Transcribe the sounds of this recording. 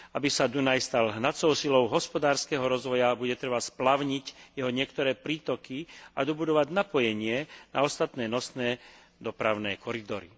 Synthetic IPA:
abisad̪unajst̪alɦnat͡sɔʊsilɔʊɦɔspɔd̪aːɾskɛɦɔɾɔzʋɔjabuɟɛt̪ɾɛbasplaʊɲicjɛɦɔɲɪɛkt̪ɔɾɛːpɾiːt̪ɔkia̰d̪ɔbud̪ɔʋaɟnapɔjɛɲɪɛnʔa̰ɔst̪at̪nɛːnɔsnɛː | d̪ɔpɾaʊnɛːkʰɔɾid̪ɔɾḭ

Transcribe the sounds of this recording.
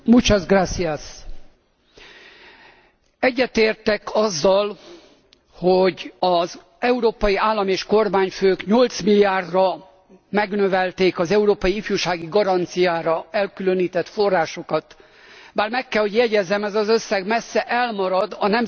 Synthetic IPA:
mut͡ʃɒzɡraːt̪sias | ɛɟːɛt̪eːrt̪ɛkʰɒzːɒl | hoɟɒz | ɛuɾoːpɒjiaːlːɒmieːʃko̞rmaːɲføːkɲolt̪smilijaːrd̪rɒ | mɛɡnø̞vɛlt̪eːkɒzɛuɾoːpɒjiifjuːʃaːɡiɡɒɾɒnt̪sijaːɾɒɛlkylø̞niːt̪ɛt̪forːaːʃo̞kɒt̪ | baːrmɛkːɛlho̞ɟjɛɟɛzːɛmɛzɒzø̞sːɛɡmɛsːɛʔɛlmɒɾɒd̪ɒnɛm

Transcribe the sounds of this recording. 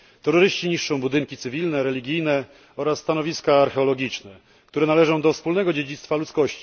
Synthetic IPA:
t̪ɛɾɔɾɘɕt͡ɕiɲiʂːɔ̃w̃bud̪ɘŋkʲit̪sɘvʲilnɛɾɛlʲiɡʲijnɛ | ɔɾasːt̪anɔvʲiskaːɾxɛɔlɔɡʲit͡ʂnɛ | kt̪uɾɛnalɛʐɔ̃w̃d̪ɔfspulnɛɡɔd͡ʑed͡ʑit̪st̪falut̪skɔɕt͡ɕi̥

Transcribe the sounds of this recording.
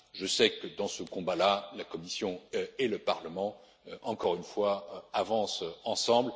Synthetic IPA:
ʒəsɛkəd̪ɑ̃səkɔ̃balalakɔmisjɔ̃eləpaʁləmɑ̃ | ʔɑ̃kɔʁynfwaavɑ̃sɑ̃sɑ̃bl

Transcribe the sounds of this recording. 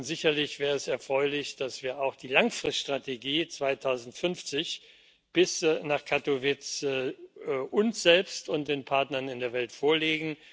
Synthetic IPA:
ʊntz̥ɪçɐlɪçv̥ɛːʁəɛsɛɐfʁ̥ɔʏlɪçd̥asv̥iːɐaʊxd̥iːlaŋfʁ̥ɪstʃtʁ̥ateɡiːt͡sv̥aɪtʰaʊzn̩tfʏnft͡sɪç | b̥ɪsnaːχkʰatovɪt͡s | ʔʊnsz̥ɛlpstʊnt̚d̥eːnpʰaɐtnɐnɪndeːɐvɛltfoːɐleːɡŋ̩

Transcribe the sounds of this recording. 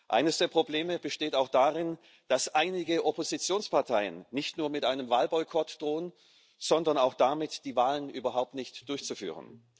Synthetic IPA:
ʔa̰ɪnəsd̥eːɐpʁ̥obleːməbəʃteːtaʊxd̥aːʁɪn | d̥asʔaɪnɪɡəʔopozit͡sjoːnspʰaɐtʰaɪənːɪçtnuːɐmɪtʔaɪnəmvaːlbɔʏkʰɔtd̥ʁoːən | z̥ɔndɐnaʊxd̥amɪtd̥iːvaːlənʔyːbɐɦaʊp̚tnɪçtd̥ʊɐçt͡sufy̰ːʁə̰n

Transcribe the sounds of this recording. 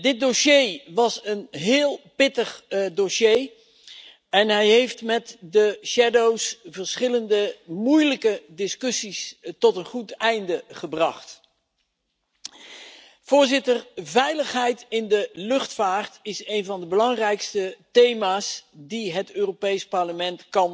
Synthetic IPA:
dɪt̚doʃejʋɑsənɦɪːlˠpɪtəχdoʃej | ɛnɦɛjɦejftmɛtdəʃɛdowsvəɹsχɪləndəmujləkədɪskɵsistɔtənχutɛjndəχəbrɑχt | v̥ʊːɹzɪtəɹvɛjləχɦɛjtɪndəlɵχtfaːrtɪsejnvɑndəbəlɑŋrɛjkstətejmaːsdiɦətøːropejspɑɹləmɛntkɑn

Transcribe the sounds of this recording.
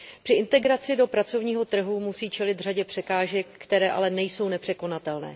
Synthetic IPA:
pr̝̥ɪʔɪnt̪ɛɡɾat͡sɪdo̞pɾat͡so̞vɲiːɦo̞t̪r̩ɦumusiːt͡ʃɛlɪd̪r̝aɟɛpr̝̥ɛkaːʒɛkːt̪ɛɾɛːʔa̰lɛnɛjso̞wnɛpr̥ɛko̞nat̪ɛlnɛ̰ː

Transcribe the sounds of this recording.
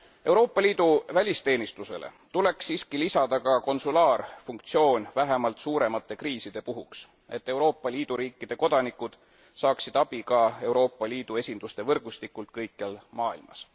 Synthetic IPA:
e̞wɾo̞ːpːˑɑlʲiːd̪uvælʲist̪e̞ːnist̪use̞̰lḛ | t̪ule̞ksːiːskilisɑd̪̥ɑkɑko̞nsulɑːrfuŋk̚t̪sio̞ːnʲvæɦemɑlt̪suːɾe̞mɑt̪ːˑe̞kriːsid̪̥e̞puɦuks | e̞t̪ːe̞wɾo̞ːpːˑɑlʲiːd̪̥uɾiːkːˑid̪̥e̞ko̞d̪̥ɑnikːud̪̥ | sɑːksid̪̥ɑb̥ikɑe̞wɾo̞ːpːˑɑlʲiːd̪̥ue̞sʲind̪̥ust̪e̞vɤrɡ̥ust̪ikːˑult̪̚kɤjkːˑɑlmɑːilmɑ̰s

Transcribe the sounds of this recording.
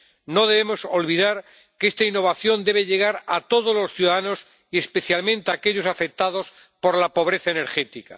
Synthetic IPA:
no̞ðe̞βemo̞so̞lβiðaɾ | keest̪ainːo̞β̞aθjo̞nd̪e̞β̞eʎe̞ɣ̞aɾat̪o̞ð̞ozlo̞sθjuðaðano̞s | ie̞spe̞θjalmẽnt̪eakeʎo̞safe̞k̚t̪aðo̞s | po̞ɾlapo̞β̞ɾeθaene̞ɾxe̞t̪ika̰

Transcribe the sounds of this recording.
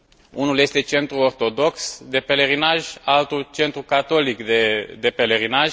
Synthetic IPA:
unulje̞st̪e̞t͡ʃe̞nt̪ɾuo̞rt̪o̞d̪o̞ksd̪e̞pe̞le̞ɾinaʒalt̪ult͡ʃe̞nt̪ɾukat̪o̞likd̪ed̪e̞pe̞le̞ɾinaʒ

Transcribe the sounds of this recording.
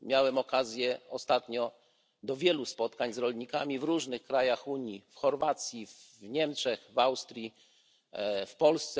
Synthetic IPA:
mʲjawɛmɔkazʲjɛɔst̪at̪ɲɔ | d̪ɔvʲjɛluspɔt̪kaɲzɾɔlɲikamʲivɾuʐnɘxkɾajaxuɲifxɔɾvat̪sʲjivɲɛmt͡ʂt͡ʂɛxvawst̪ɾʲji | fpɔlst̪sɛ

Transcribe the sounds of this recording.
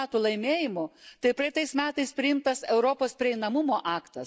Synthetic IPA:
t̪uːlˠɐɪmʲeːjɪmʊt̪ɐɪpɾɐjɪt̪ɐɪsmʲæːt̪ɐɪspʲɾʲɪɪmt̪ɐsɛʊɾopoːspʲɾʲɪɛɪnɐmʊmoːʔɑːkt̪ɐs

